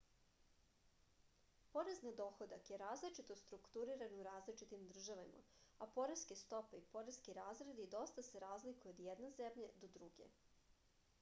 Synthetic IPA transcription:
po̞ɾe̞znad̪o̞ːxo̞d̪akje̞ɾaːzlit͡ʃit̪o̞st̪ɾukt̪uɾiɾanuɾaːzlit͡ʃit̪imd̪r̩ʒaʋama̰apo̞ɾeskest̪o̞pe̞ipo̞ɾeskiɾaːzɾed̪id̪o̞st̪ase̞ɾaːzlikujeod̪jed̪naze̞mʎed̪od̪ɾuɡḛ

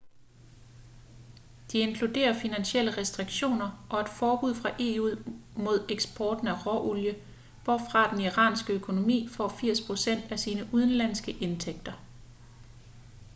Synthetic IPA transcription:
d̥ie̝ŋkʰlud̥e̝̰ːɐfinænɕel̰əʁɛsd̥ʁiɡ̥ɕo̝̰ːnɐʔɒ̽e̝d̥fɒːb̥uð̞̰ˠfʁɑ̈ʔe̝ːumo̝ð̞̰ˠeɡ̥sb̥ɒːd̥n̩æʁɒʔuljə | ʋ̥ɒ̰fʁɑ̈d̥eniʁɑ̰̈ːnsɡ̥əøkʰo̝no̝mḭːfɒ̰ːfiɐ̰spʰʁo̝sen̰d̥æsiːnəʔuð̞ˠən̩læn̰sɡ̥əʔe̝nt͡sʰeɡ̥̚d̥ɐ

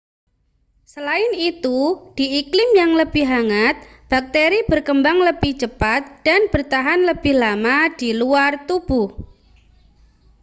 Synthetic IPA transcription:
səlaɪnit̪ud̥iʔiklɪmjaŋləb̥ɪhɦaŋat̪̚ | b̥ak̚t̪eɾibərkəmbaŋləb̥ɪht͡ʃəpat̪̚d̥anb̥ərt̪aɦanləb̥ɪhlamad̥iluart̪ub̥uh

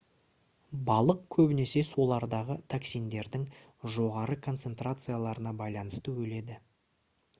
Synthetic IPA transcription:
bɑlˠəq̚kʲʰɵbɪne̞se̞so̞lˠɑɾd̪ɑʁət̪ʰaksijnd̪e̞ɾd̪ɪŋ | ʒo̞ʁɑɾəkʰo̞nt̪se̞nt̪rat̪sɨjalˠɑɾənɑbɑjlˠɑnəst̪əwɵle̞d̪ɪ

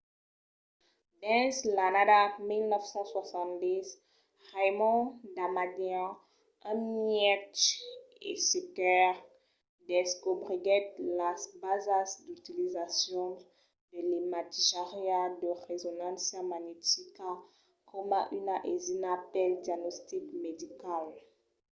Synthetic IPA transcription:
dɛ̃nslanadamilnœfsɑ̃swasɑ̃nd̪iz | ʁajmɔ̃d̪amadjã | ãmiɛt | ḛsekɛʁ | d̪ɛskobʁiɡɛt̪lasbazasd̪yt̪ilizasjɔ̃ | d̥elimat̪iʃaʁjadəʁezɔnãsjamaɲet̪ika | kʰɔmaʔynaʔezinapɛld̪jaɡnɔst̪ikmed̪ikal

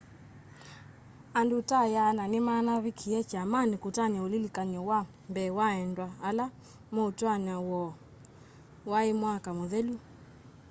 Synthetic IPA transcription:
andutajananɪmanaβikʰiɛt͡ʃamanikutaɲaolilikaɲɔwa | mbɛwaɛndwaːla | moutwaɲawɔ | waemwakamoðɛlu

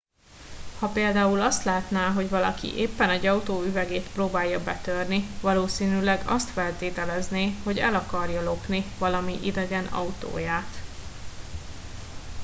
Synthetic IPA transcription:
hɒpeːld̪aːulɒst̪laːt̪naːɦo̞ɟvɒlɒ̰kḭʔeːpːɛnɛɟɒut̪oːyvɛɡeːt̪proːbaːjːɒbɛt̪ørnivɒloːsiːnylɛɡɒ̰st̪fɛlt̪eːt̪ɛlɛzneːho̞ɟɛ̰lɒkɒrjɒlo̞pnivɒlɒmiʔid̪ɛɡɛnɒ̰ut̪o̰ːjaːt̪

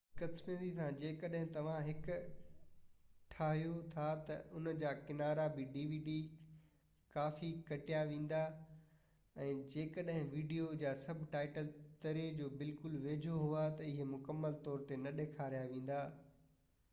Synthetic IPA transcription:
kɐt̪mẽd̪it̪ʰãd͡ʑeːkɐɗɦɪ̃t̪ɐʋ̤ãɦɪkʊ | ʈʰaːɦijot̪ʰat̪ɐʔʊnəd͡ʑaːkɪnaːɾabɪɖiːʋiːɖi | kaːfikɐʈijaʋẽːn̆d̪a | ɛ̃ːd͡ʑeːkɐɗɦɪ̃ʋiːɖijod͡ʑaːsɐbʱʈaːɪʈəlt̪ɐɾed͡ʑoːbɪlkʊlʋeːd͡ʑʱoɦuat̪ɐɪɦemʊkəmːəlt̪ɔːɾt̪enɐɗeːkʰaːɾijaʋẽːn̆d̪aː

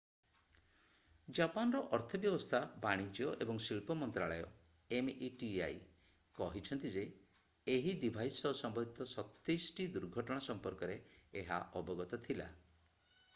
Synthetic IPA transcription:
d͡ʒapanɔɾɔʔɔɾt̪ʰɔbjɔbɔst̪ʰabaɽ̃id͡ʒjɔʔebɔŋsilpɔmɔnt̪ɾaɭɔjɔ | emiʈia̰j | kɔɦit͡ʃʰɔnt̪id͡ʒeː | ɦid̪ibʱajsɔsɔmbɔd̪ʱit̪ɔsɔt̪ːejsʈid̪uɾɡʱɔʈɔɽ̃asɔmpɔɾkɔɾe | eɦa̰ʔɔbɔɡɔt̪ɔt̪ʰila̰

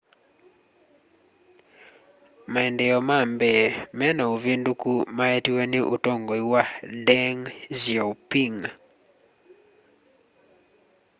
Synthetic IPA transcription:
maɛndɛɔmambɛmɛnɔuvindukumaetweniʔutoŋɡoiwadɛŋziopiŋ

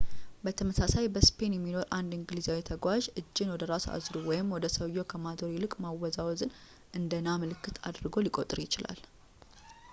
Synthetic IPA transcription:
bət̪ʰəməsasajbəspʰe̞njɛmːino̞ɾʔand̪ɨŋɡɨlizawit̪ʰəɡʷaʒɨd͡ʒːɪnwɔd̪əɾasua̰zɾuwɔjɪmwɔd̪əsəwjo̞kʰəmat̪oɾilɨkʼmawɔzawzɨn | ʔɨnd̪ənamɨlɨkːɨt̪ʰa̰d̪ɾɨɡo̞likʼo̞t̪ʼɨɾjɪt͡ʃɪla̰l

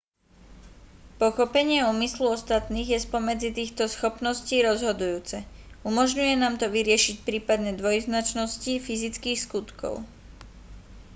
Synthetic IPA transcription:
pɔxɔpɛɲɪɛuːmisluɔst̪at̪niːɣjɛspɔmɛd͡zit̪iːxt̪ɔsxɔpnɔsciːɾɔzɦɔd̪ujuːt͡sɛ | umɔʒɲujɛnaːmt̪ɔʋiɾɪɛʃicpɾiːpad̪ɲɛd̪ʋɔjznat͡ʃnɔscifizit͡skiːxskut̪kɔ̰ʊ

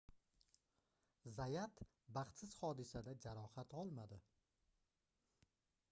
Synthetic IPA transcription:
zajat̪ | baχt̪sɪz̥hɒd̪ɪsad̪ad͡ʒaɾɒhat̪ɒlˠmad̪ɪ

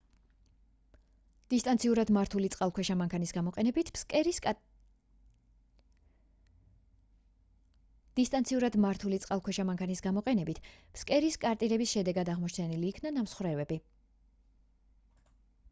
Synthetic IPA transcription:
d̪̥ist̪ʼant̪sʰiuɾad̪maɾt̪ʰulit̪sʼqʼalˠkʰwɛʃamaŋkʰanisɡamɔqʼɛnɛbit̪ʰ | d̪̥ist̪ʼant̪sʰiuɾad̪maɾt̪ʰulit̪sʼqʼalˠkʰwɛʃamaŋkʰanisɡamɔqʼɛnɛbit̪ʰpskʼɛɾiskʼaɾt̪ʼiɾɛbisʃɛd̪ɛɡad̪aʁmɔt͡ʃʰt͡ʃ̪ʰɛniliːkʰnanamsχwɾɛvɛbi

